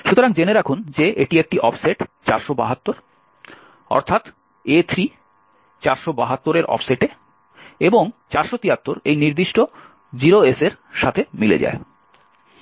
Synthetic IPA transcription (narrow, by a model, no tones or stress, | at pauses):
ʃut̪oɾaŋd͡ʑeneɾakʰund͡ʑeeʈiek̚ʈiʔɔpʰseʈt͡ɕaɾʃoba̰ɦat̪ːoɾ | ɔ̰ɾt̪ʰat̪ | et̪ʰɾi | t͡ɕaɾʃobaɦat̪ːoɾeɾʔɔ̰fʰseʈe | eboŋt͡ɕaɾʃot̪iɦat̪ːoɾejniɾd̪iʃʈo | d͡ʑiɾoeseɾʃat̪ʰemilḛd͡ʑa̰e